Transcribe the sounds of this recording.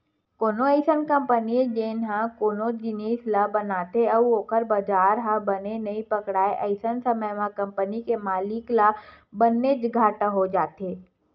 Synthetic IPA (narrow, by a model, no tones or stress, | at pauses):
koːnoəɪsənkə̃mpəniẽd͡ʒeːnɦãkoːnod͡ʒɪneːslabɐnaːt̪eɐoːkəɾbɐd͡ʒaːɾɦãbɐnenɐĩpɐkɽaːeʔɐɪsənsəməjmãkɐ̃mpənikemaːlɪkla | bənːed͡ʒɡʱaːʈãɦod͡ʒaːt̪eː